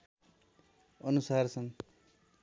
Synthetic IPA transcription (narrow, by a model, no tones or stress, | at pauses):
ʌnusart͡sʰʌn